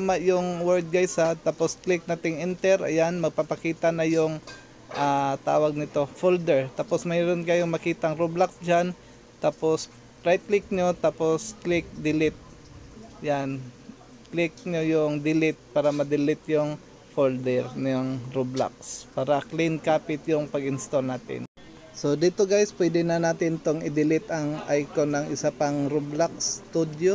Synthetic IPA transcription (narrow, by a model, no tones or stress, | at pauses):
amaʔjʊŋwɛld̪̚ɡajsat̪aːposklɪk̚nat̪ɪŋʔɪnt̪ɛɾʔɐ̰janmɐɡ̚papɐkiːt̪ɐnɐjʊŋ | ʔat̪a̰ːwɐɡ̚nɪt̪o̞fold̪ɛɹt̪aːposmɛjɾonkɐjoŋmɐkiːt̪ɐŋɾoblaksd͡ʒan | t̪aːpos | pɾajt̪̚klɪk̚ɲot̪aːposklɪk̚d̪ɪlɪt̪̚ | jan | klɪk̚ɲojʊŋd̪ɪlɪt̪̚paːɾɐmɐd̪ɪlɪt̪jʊŋ | fold̪ɛɾnaŋɾobla̰k̚spaːɾɐklɪnkaːpɪt̪jʊŋpɐɡɪnst̪olnaːt̪ɪ̰n | sod̪ɪt̪oɡajspwɛd̪ɪnɐnaːt̪ɪnt̪oŋɪd̪ɪlɪt̪ɐŋʔajkonɐŋʔɪsapɐŋɾoblak̚st̪ud̪jo